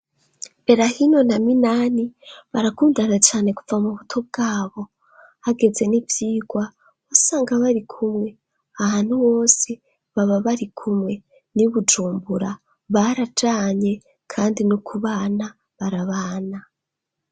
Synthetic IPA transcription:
βe̞ɾahino̞naminaːniβaɾakuːndaɾat͡ʃaːne̞ku̥vamuβutʰob̚ɡaːβo̞ | aɡe̞ze̞nivjiːɡ̥wa | osaːŋɡaβaɾikʰumŋe̞ | ahaːn̥huwo̞ːse | βaβaβaɾikʰumŋe̞ | niβud͡ʒuːmbuɾa | βaɾad͡ʒaːɲe̞ | kʰaːndinokʰuβaːna | βaɾaβaːna

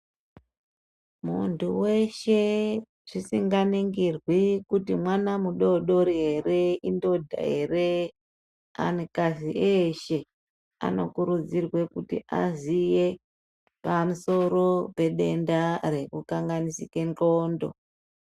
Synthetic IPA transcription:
muntuwe̞ʃe̞ | ʐ̥isiŋɡaniŋɡirwikutimwanamuɗo̞ɗo̞ɾiɦe̞ɾe̞indodʱa̰ɦe̞̰re | a̰nekaziʔeʃe̞ | a̰no̞̰kuɾud͡zirwe̞kutḭʔa̰zije | pamuso̞ɾo̞pe̞ɗe̞ndaɾe̞kukaŋɡanisike̞nt͡ɬoːndo̞̰

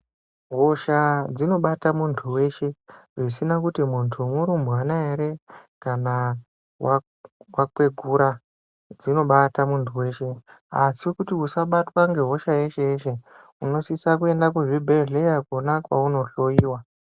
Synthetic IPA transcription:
ɦo̞ʃad͡zino̞ɓatamuntʰuwe̞ʃe̞ʐisinakutimuntʰumuɾumbuanaeɾe̞kana | wa | wakwe̞ɡʱuɾa | d͡zino̞ɓatamuntʰuwe̞ːʃe̞ | asikutiusaɓatwaŋɡe̞ɦo̞ʃaje̞ʃe̞eʃe̞ | uno̞sisak̬ue̞ndak̬uʐibʱe̞ɮe̞jakonakwa̰uno̞ɬo̞jiːwa

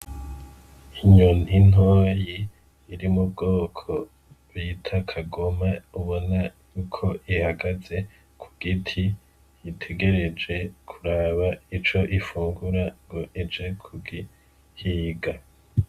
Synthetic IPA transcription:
iɲon̥hin̥ɦoːjiː | ɾimub̚ɡoːkʰo̞ | βitʰakʰaɡo̞mauβo̞najuːkʰo̞ʔihaɡaze̞ | kʰu̥ɡ̥itʰi | jitʰe̞ɡe̞ɾe̞d͡ʒe̞kʰuɾaːβait͡ʃo̞ʔifuːŋɡuɾaŋɡo̞ʔed͡ʒe̞kʰuɡi | hiːɡa

